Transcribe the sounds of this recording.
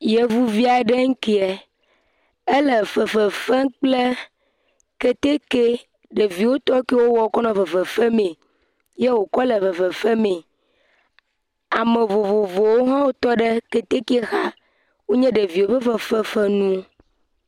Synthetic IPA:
je˨vu˦vi˦a˨ɖe˦ŋ̩˦ki˨ɛ˨ | e˦lə˨fɛ˨fɛ˨fɛ˦k͡ple˦ | ke˦t̪e˦ke˦ | ɖe˨vi˨wo˦t̪ɔ˦ke˦wo˦wɔ˨˦kɔ˦nã˨fə˨fɛ˨fɛ˦mẽ˨ | je˦wo˨kɔ˦lə˨vfə˨fɛ˨fɛ˦mẽ˨ | a˨mẽ˨vo˨vo˨vo˨wo˦ɦã˦wo˦t̪ɔ˦ɖe˦ke˨t̪e˦ke˦xa˦ | wo˦ɲɛ̃˦ɖe˨vi˨wo˦ɸə˦fɛ˦fɛ˦fɛ˦nũ˦

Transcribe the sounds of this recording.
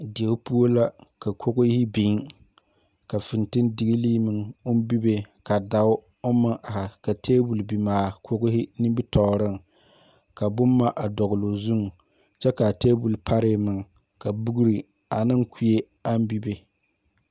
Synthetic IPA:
dɪ˨e˨ʊ˦pu˦o˦la˦ka˨kʰo˦ɣʊ˦hɪ˦bi˨˦ŋ | ka˨fɪ˨ntɨ˦ndɪ˨ɡi˦liː˦mɨ˨ŋʊ˦n˦bi˦be˨ka˨da˨ʊ˦ | ʊ˦mɨ˦ŋʔa˨ha˨ka˨tʰeː˦bu˨lbi˨maː˨kʰo˦ɣʊ˦hɪ˦nɨ˦mbi˦tɔ˨ɾɨ˦˨ŋ | ka˨bʊ˦mːa˦ʔa˨dɔ˨ɣʊ˨lo˨zu˦ŋ˨ | t͡ʃɛ˦ka˨teː˦bu˨lpʰa˦ɾɪ˦mɨ˨ŋ˨ | ka˨bu˦ɡu˦ɾi˨ | a˨nɨ˦ŋkʰu˦je˦ | a˦m˦bi˦be˨

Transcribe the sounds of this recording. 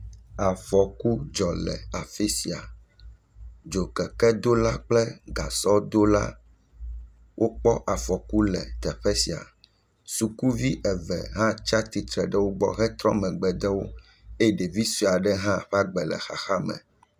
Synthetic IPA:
a˨fɔ˨ku˦d͡ʒɔ˨lɛ̰˨a˨fi˦si˨a̰˨ | d͡ʒo˨kɛ˨kɛ˦d̪o˦la˦k͡plɛ˦ɡa˨sɔ˦d̪o˦la̰˦ | wʔo˦k͡pɔ˦ʔa˨fɔ˨ku˦lɛ̰˨t̪ɛ˨ɸɛ˦si˨a̰˨ | su˨ku˦vi˦ʔɛ˨vɛ̰˨ɦã˦t͡ʃa˦t̪i˨t̪ɾɛ˨ɖɛ˦wo˦ɡ͡bɔ̰˦ɦɛ˦t̪ɾɔ̰̃˦mɛ̃˨ɡ͡bɛ˨d̪ɛ˦wo̰˦ | e˦e˨ɖe˨vi˦su˨a˨ɖɛ˦ɦã˦ɸɛ˦a˦ɡ͡bɛ˨lɛ̰˨xa̰˨xa˦mɛ̰̃˨

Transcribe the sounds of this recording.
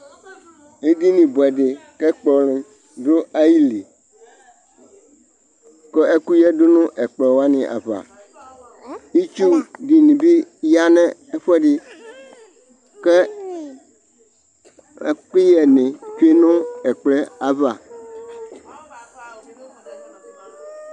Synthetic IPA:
e˦di˦nĩ˨bo˨ɛ˨ɖe˨kɛ˦k͡pɔ˨lĩ˨ | ɖo˦a˦ji˦li˨ | kɔ˦e˦ku˦jɛ˦do˦nũ˦ʔɛ˨k͡plɛ˨wo˦a˦nĩ˨ʔa̰˨va̰˨ | ji˦t͡ʃu˦di˨nĩ˨bi˦ja˦nɛ̃˦ɛ˦ɸɛ˦ɖi˦ | kɛ˦ | k͡pi˦jɛ˨nẽ˨ɸe˦nɔ̃˦ɛ˨k͡plɛ˦a˨va˨

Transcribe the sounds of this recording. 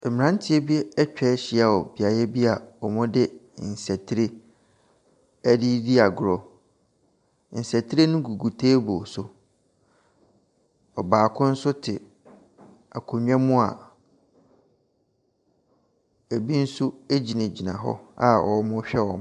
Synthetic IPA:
ɛ˨mɪ̃˨ã˦n˦tʰɪ˨˦e˦bi˦e˦ɛ˦t͡ɕᶣɛ˦ɕɪ˨a˨wɔ˨bi˨a˨jɛ˦bi˦a˨ɔ˨mʊ̃˦dɪ˦n̩˨sɛ˨tʰɾe˦ | æ˦di˦di˦a˨ɡʊ˨ɾɔ˨ | n̩˨sæ˨tʰi˦ɾe˦nʊ̃˦ɡu˨ɡu˨tʰeː˦bo˨sʊ˨ | ɔ˨baː˨kʰʊ̃˦n̩˦sʊ˦tʰɪ˨ | a˨kʰʊ˨ɲᶣ˦ɛ̃˦mʊ̃˦a̰˨ | e˨bi˦n̩˦sʊ˦e˦d͡ʑi˨nẽ˨d͡ʑi˨nã̰˨ɦɔ̰˦a̰˨ɔ̰˨˦mʊ̃˦ɕᶣɛ˦wɔ̰̃˨m˦

